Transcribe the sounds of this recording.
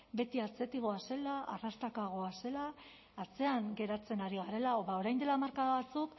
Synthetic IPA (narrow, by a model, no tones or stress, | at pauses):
be̞t̪iat͡se̞t̪iɣ̞o̞ase̞laa̰rast̪akaɣ̞o̞ase̞laː | t͡se̞aŋɡe̞ɾat͡se̞naɾiɣ̞aɾe̞laoβao̞ɾajnd̪e̞lamaɾkaðaβat͡suk